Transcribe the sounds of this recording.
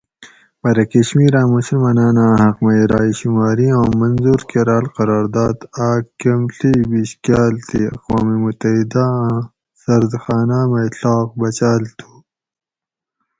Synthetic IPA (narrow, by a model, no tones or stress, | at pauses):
bɐɾɐkɐɕmiːɾãːmusilmɐnaːnãːɦɐqmɐjɾaːiɕimaːɾiãːmɐnzuːɾkeɾaːlqɐɾaːɾd̪aːd̪aːkɐmɬibiɕkjaːlt̪ʰiɐ̰qwaːmimut̪ɐɦid̪aã | sɐɾd̪xaːnaːmɐiɬaːq̚bɐt͡ɕaːlt̪ʰu̥